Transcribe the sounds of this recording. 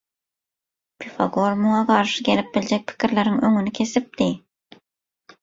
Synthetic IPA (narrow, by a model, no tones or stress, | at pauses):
pʲʰifɑɡoɾmuŋɑqʰɑɾʃɯɡʲe̞lip̚bild͡ʒek̚pʰi̥kʰʲiɾleɾiŋøŋynykʲʰe̞sip̚d̪i